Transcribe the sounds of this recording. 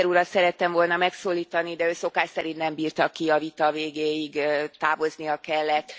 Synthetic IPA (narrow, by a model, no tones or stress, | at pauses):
ɾuɾɒt̪sɛɾɛt̪ːɛmvo̞lnɒmɛksoːlːiːt̪ɒnid̪ɛøːso̞kaːʃsɛɾint̪nɛmbiːrt̪ɒkiɒvit̪ɒveːɡeːjiɡ̪ːaːvo̞znijɒkɛlːɛt̪ː